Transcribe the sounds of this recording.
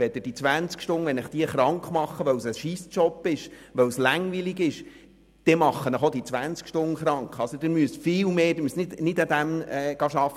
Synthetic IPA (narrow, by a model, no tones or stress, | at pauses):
ɛd̥̪ɪd̥it͡sʋænt͡skʃtʊnəʋɛnɪχd̥iəχɾɑŋkχmɑχːəʋœwsəʃiːst͡ʃɔpːɪʃ | ʋœwslæŋʋiliɡɪʃ | d̪̥ɛmɑχːənəχod̥̪it͡sʋænt͡skʃtʊnəχɾɑŋkχɑlsod̪ɪɾmyəstfɪːlmeːdɪɾmysnɪdnɪdæd̪æmɛːɡ̥ɑːʃɑfːə